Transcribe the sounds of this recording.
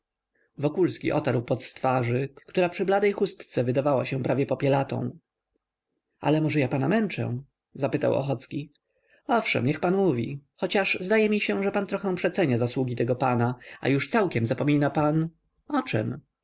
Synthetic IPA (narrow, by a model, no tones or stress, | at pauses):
vɔkulskʲḭʔɔt̪aɾwpɔt̪st̪faʐɘkt̪uɾapʂɘblad̪ɛjxust̪t̪sɛvɘd̪avawaɕɛ̃pɾavʲjɛpɔpʲjɛlat̪ɔ̰̃w̃ | a̰lɛmɔʐɛjapanamɛnt͡ʂɛ̰̃ | zapɘt̪a̰wɔ̰xɔt̪skʲi | ɔfʂɛ̰mɲɛxpanmuvʲḭxɔt͡ɕaʂzd̪ajɛmʲiɕɛ̃ʐɛpant̪ɾɔxɛ̃w̃pʂɛt̪sɛɲazaswuɡʲit̪ɛɡɔpanaa̰juʂt̪sawkʲɛmzapɔmʲinapan | ɔt͡ʂɛ̰m